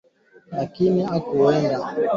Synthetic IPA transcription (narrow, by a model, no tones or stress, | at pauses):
lakiniakuwɛnda